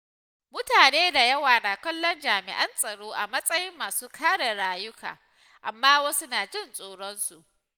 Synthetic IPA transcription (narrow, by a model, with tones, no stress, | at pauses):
mʊ˦taː˨neː˦da˨jɐ˦waː˨naː˨kʷɐ˦lːɔ˦nd͡ʒaː˨mɪ̰˨ʔɐ˦nsʼɐ˨ɽoː˦ʔa˨mɐ˦sʼɐ˦jɪ˦mːaː˨suː˦kʰaː˦ɽe˨ɽaː˦jʊ˦ka̰ː˨ | ʔa˨mːaː˦wɐ˦su˦naː˨d͡ʒɪ˦nsʼoː˨ɽɔ˦nsu˨ʔ